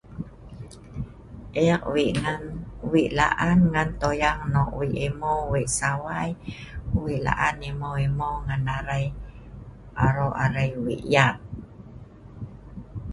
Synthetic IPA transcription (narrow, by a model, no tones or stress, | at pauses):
ʔɛaʔwiʔŋanwiʔla̰ʔanŋant̪ojaŋnɔʔwiʔimowiʔsawaj | wiʔla̰ʔanimoimoŋanaɾaj | aɾoʔaɾajwḭʔjaʔ̚